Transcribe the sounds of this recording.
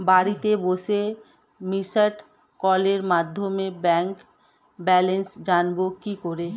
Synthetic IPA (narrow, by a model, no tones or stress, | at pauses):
baɾit̪ebose | misəʈ | kɔleɾmad̪ʱjomebɛ̃ːŋk | bɛlensd͡ʒanbokikoɾe